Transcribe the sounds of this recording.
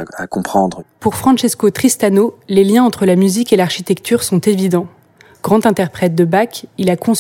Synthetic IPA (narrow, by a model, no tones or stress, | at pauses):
a̰kɔ̃pχɑ̃d̪ʁpuʁfχɑ̃ʃɛskot̪χist̪anoleljɛ̃ɑ̃t̪χəlamyzikelaʁʃit̪ɛkt̪ʰyʁsɔ̃t̪evid̪ɑ̃ | ɡ̥ʁɑ̃t̪ɛ̃t̪ɛʁpχɛt̪̚d̪əbakilakɔ̃s